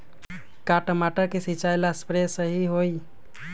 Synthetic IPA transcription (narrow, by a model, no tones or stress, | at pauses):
kaʈəmaʈəɾkesit͡ʃajlaspɾesəɦiɦoi